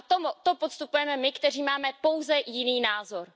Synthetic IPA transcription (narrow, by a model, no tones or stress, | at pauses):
t̪omut̪opot̪st̪upujɛmɛmɪkt̪ɛriːmaːmɛpo̞wzɛjɪniːnaːzo̞ɾ